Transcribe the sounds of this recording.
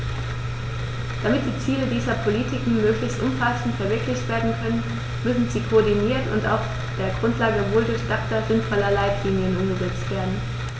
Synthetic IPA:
d̥amɪt̚d̥iːt͡siːlədiːzɐpʰolitʰɪkŋ̩møːklɪçstʔʊmfasn̩tfɛɐvɪɐklɪçtv̥eːɐdn̩kʰœnən | mʏsn̩ziːkʰoɔɐdiniːɐtʊ̰nta̰ʊf | d̥eːɐɡʁʊntlaːɡəvoːldʊɐçd̥ak̚tazɪnfɔlɐlaɪtʰliːnjənʔʊmɡəzɛt͡stv̥eːɐdn̩

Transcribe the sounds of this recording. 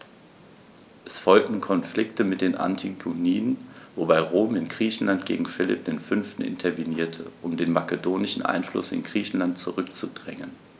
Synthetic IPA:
ʔɛsfɔlk̚tn̩kʰɔnflɪk̚təmɪt̚d̥eːnʔa̰ntʰiɡoniːənvobaɪʁoːmɪnɡʁiːçn̩lantɡ̥ḛːɡŋ̩fɪlɪ̰p̚d̥eːnfʏnftn̩ɪ̰ntʰɐviniːɐtʰəʔʊmdeːnmakədoːnɪʃn̩ʔa̰ɪnflʊ̰sɪ̰nɡʁiːçn̩lantt͡suʁʏkt͡sudʁɛŋən

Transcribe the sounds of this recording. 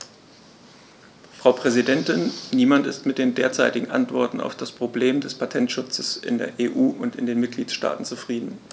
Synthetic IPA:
fʁ̥aʊpʁ̥ɛzidɛntɪnniːmantɪstmɪt̚d̥eːndeːɐt͡saɪtɪɡŋ̩ʔa̰ntv̥ɔɐtn̩a̰ʊfd̥aspʁ̥obleːmdɛspʰatʰɛntʃʊt͡səsʔɪ̰ndḛːɐʔeːʔuːʔʊntɪndeːnmɪt̚ɡ̥liːtʃta̰ːtn̩t͡sufʁ̥iːdn̩

